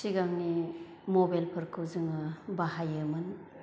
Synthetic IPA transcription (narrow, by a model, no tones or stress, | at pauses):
siɡamni | mobajlpʰɯɾkʰɯwzɯŋɯbaɦajɯmɯn